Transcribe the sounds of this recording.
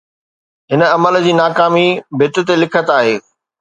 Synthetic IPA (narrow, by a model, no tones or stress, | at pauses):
ɦɪnəɐməld͡ʑiːnaːkaːmibʱɪt̪ʊ̆t̪elɪkʰət̪aːɦeː